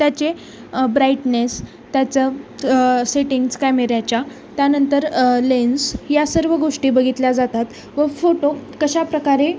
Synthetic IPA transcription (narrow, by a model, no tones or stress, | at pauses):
t̪jat͡ɕe | bɾajʈnes | t̪jat͡sə | seʈiŋɡskajmeɾjat͡ɕa | t̪janənt̪əɾlensjasəɾʋəɡoʂʈiːbəɡʱit̪lad͡zat̪at̪ | ʋəfoʈokəɕapɾəkaɾe